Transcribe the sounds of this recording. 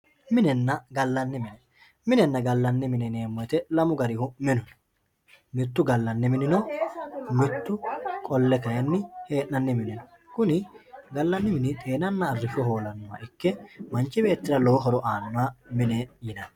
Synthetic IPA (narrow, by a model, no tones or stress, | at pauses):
mɪnɛnːɐɡɐlːɐnːɪmɪnɛ | mɪnɛnːɐɡɐlːɐnːɪmɪnɛneːmːɔjt̪ɛlɐmʊɡɐɾɪhʊmɪnʊn | mɪt̪ːʊɡɐlːɐnːɪmɪnɪnɔ | mɪt̪ːʊkʼɔlːɛkɐjɐnːɪhe̞ːʔnɐnːɪmɪnɪnɔ | kʊnɪɡɐlːɐnːɪmɪnɪt̪ʼe̞ːnɐnːɐːrːɪfɔɦo̞ːlɐnːɔwa̰ɪkːɛmɐnt͡ʃːɪbe̞ːt̪ːɪɾɐlo̞ːɦɔɾɔʔaːnːɔwamɪnejɪnɐn